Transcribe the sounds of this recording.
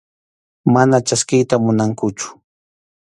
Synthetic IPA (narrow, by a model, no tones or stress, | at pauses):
manat͡ʃaskɪjt̪amʊnaŋkʊt͡ʃʊ̥